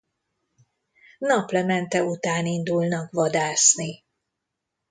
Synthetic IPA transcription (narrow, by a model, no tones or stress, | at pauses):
nɒplɛmɛnt̪ɛut̪aːnind̪ulnɒkʋɒd̪aːsni